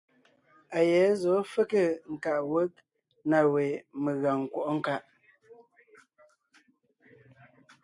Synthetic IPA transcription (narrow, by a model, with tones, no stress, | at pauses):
a˨jɛ˨˦zɔ˨˦fə˦kə˦˨ŋ̩˨ka˨ʔwə˦k̚ | na˨we˨me˨ɣa˨ŋ˨kwɔ˦˨ʔɔ˦ŋ̩˦˨ka˦ʔ